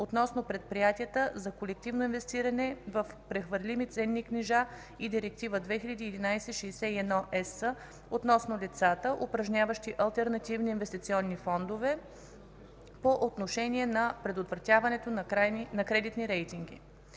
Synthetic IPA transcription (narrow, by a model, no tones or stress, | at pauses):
ot̪nɔsnoʊpɾɛt̪̚pɾijat̪iət̪əzɐkolɛk̚t̪ivnoinvɛst̪iɾɐnɛvɐfpɾɛxvəɾlimit̪sɛnːikniʒa | id̪iɾɛk̚t̪ivəd̪vɛxilʲɐd̪iːd̪inajsɛʃɛjsɛiɛd̪nɔʔɛsə | ot̪nɔsnolit̪sat̪əʔopɾɐʒnʲavəʃt̪iʔɐlˠt̪ɛɾnɐt̪ivniːnvɛst̪it̪siɔnːifɔnd̪ovɛ | poʔot̪noʃɛnʲiɛnɐpɾɛd̪ot̪vɾɐt̪ʲjavɐnɛt̪onajnɐkɾɛd̪it̪niɾɛjt̪iŋɡḭ